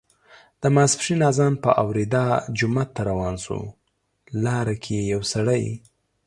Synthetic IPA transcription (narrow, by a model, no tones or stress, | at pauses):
d̪̥əmaspʂinɑzɑnpəʔawɾid̪ɑd͡ʒʊmat̪ːaɾawɑnsṵ | lɑɾakʰejejawsaɽəj